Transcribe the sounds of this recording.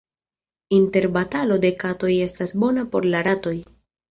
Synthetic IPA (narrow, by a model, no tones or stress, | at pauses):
inte̞ɾbatalo̞de̞kato̞je̞stasbo̞napo̞̰ɾlaɾato̞j